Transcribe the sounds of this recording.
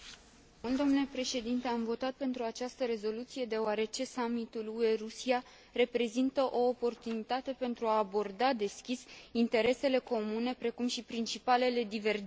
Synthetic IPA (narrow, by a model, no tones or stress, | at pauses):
mult̪d̪o̞mnule̞pɾe̞ʃe̞d̪int̪e̞amvo̞t̪at̪̚pe̞nt̪ɾuat͡ʃast̪əɾe̞zo̞lut̪sije̞d̪e̞oaɾe̞t͡ʃe̞samit̪ulue̞rusija | re̞pɾe̞zint̪əʔo̞ːpo̞rt̪unit̪at̪e̞pe̞nt̪ɾuaːbo̞rd̪ad̪e̞skʲisint̪e̞ɾe̞se̞le̞ko̞mune̞pɾe̞kumʃipɾint͡ʃipale̞le̞d̪ive̞r